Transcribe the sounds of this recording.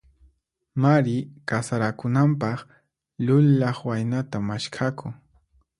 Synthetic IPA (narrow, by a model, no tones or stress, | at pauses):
maɾɪkasaɾakʊnampɑχ | ʎʊlːaχwajnat̪amaʃkʰakʊ